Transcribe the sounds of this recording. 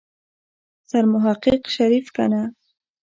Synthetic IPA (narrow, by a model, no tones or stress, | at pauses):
saɾmʊɦaqːiqʃaɾifkana